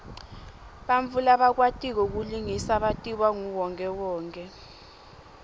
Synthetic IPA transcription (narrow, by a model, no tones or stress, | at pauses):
ɓaɱvulaɓak̬watʼik̬ɔk̬uliŋisaɓatʼiwaŋuwɔŋkʼɛwɔːŋkʼɛ